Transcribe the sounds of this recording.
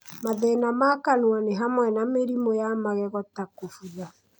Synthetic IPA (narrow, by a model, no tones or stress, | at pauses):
maðɛnamakanwɔneɦamwɛnameɾimojamaɣɛɣɔtakofuða